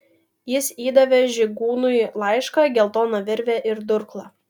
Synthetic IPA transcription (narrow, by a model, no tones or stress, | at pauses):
jɪsiːd̪ɐʋʲɛʒʲɪɡuːnʊɪlˠɑɪʃkɐɡʲɛlˠt̪oːnɐʋʲɪɾʲʋʲɛʔɪɾd̪ʊɾklˠɐ